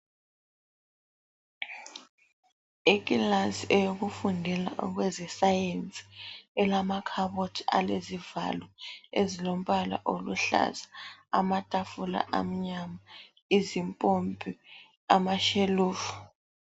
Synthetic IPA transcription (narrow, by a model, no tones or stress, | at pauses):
ikʼilasiɛjoɣufundʱɛla̰ʔɣwɛzɛsajent͡sʼi̥ɛlamakʰaβotʰa̰leziva̰lwɔezilom̩βala̰ʔoluɬa̰zaamatʼafula̰ʔa̰m̩ɲama | izimpʼombʼʱi | amaʃeluːfu̥